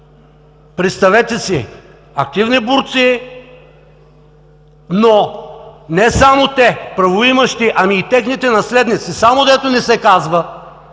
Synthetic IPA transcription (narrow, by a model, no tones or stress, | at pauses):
pɾɛt̪st̪ɐvɛt̪ɛsi | ɐk̚t̪ivnibʊɾt̪si | no | nɛsamot̪ɛpɾɐvoimɐʃt̪iʔɐmiːt̪ɛxnit̪ɛnɐslɛd̪nit̪sisamod̪ɛt̪onɛsɛkazvɐ